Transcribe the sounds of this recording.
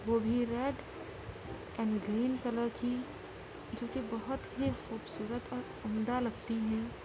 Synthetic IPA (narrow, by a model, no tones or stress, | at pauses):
ʋoːbʱiɾeːɖ | ɛ̃ːɳɖɡɾiːnkələɾki | d͡ʒoːkibəɦʊt̪ɦixuːbsuːɾət̪ɔːɾ | ɐmd̪aləkt̪iɦɛ̃